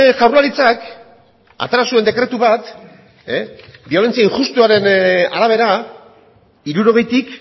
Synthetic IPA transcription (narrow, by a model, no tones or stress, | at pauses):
ʝawɾrlaɾit͡sak | a̰t̪e̞ɾasue̞nd̪e̞kɾe̞t̪uβat̪ | ebio̞le̞nt͡siaiŋxust̪uaɾe̞na̰ɾaβ̞e̞ɾa | iɾuɾo̞ɣe̞jt̪ik